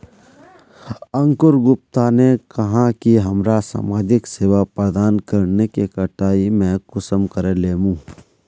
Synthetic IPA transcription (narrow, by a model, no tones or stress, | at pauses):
ə̃ŋkʊɾɡʊp̚t̪aːnekɐɦãkiɦɐmɾasa̰ːmaːd͡ʒɪkseːʋapɾəd̪aːnkəɾnekekəʈaːimɛ̃ːkʊsəmkəɾeleːmũː